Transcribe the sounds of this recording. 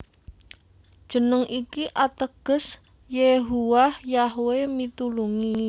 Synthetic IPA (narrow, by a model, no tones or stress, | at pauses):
d̥ʒ̥ə̤nəŋʔikiʔat̪əɡ̥ə̤s | jeɦuwahjaɦwemit̪uluŋi